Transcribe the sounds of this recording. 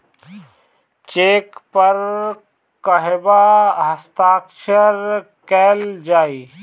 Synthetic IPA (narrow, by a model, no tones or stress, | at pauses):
t͡ʃeːkpəɾ | kəɦebaɦəst̪aːkʃəɾ | kɛːld͡ʒaːiː